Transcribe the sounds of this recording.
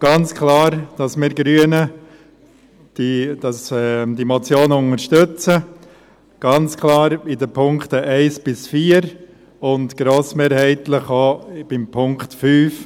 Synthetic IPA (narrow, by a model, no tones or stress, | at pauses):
ɡ̥ɑnt͡skʰlɑːɾd̥ɑsmɪːɾɡɾyənə | d̥id̥ɑsɛdimɔt͡sjoːnʊŋəɾʃtʏt͡sə | ɡ̥ɑnt͡skʰlɑːɾidəpʰʊŋktəʔɛɪsb̥ɪsfiːəɾ | ʊndɡ̥ɾoːsmeːɾhɛɪtləχoːb̥ɪmpʰʊŋktfyːf